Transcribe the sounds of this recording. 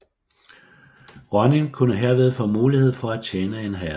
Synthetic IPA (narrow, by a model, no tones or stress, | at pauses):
ʁɒneŋkʰunəɦeɐ̰ʋe̝ð̞ˠfɔ̽ːmuːlihe̝ð̞̰ˠfɒ̽æ̥t͡ɕʰeːnəe̝nɦæ